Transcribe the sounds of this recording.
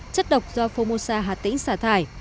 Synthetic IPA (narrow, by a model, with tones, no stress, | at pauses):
t͡ɕə˦˥t̚ɗə˨˩wk͡p̚zɔ˧fo˧mo˧saː˧ɦaː˨˩t̚t̪ḭ˧˥ŋ̟saː˧˩t̪ʰaː˧˩j